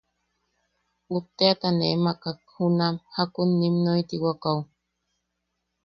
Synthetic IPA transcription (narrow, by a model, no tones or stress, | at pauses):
up̚t̪eat̪anemakakhunamhakunːimnojt̪iwakaw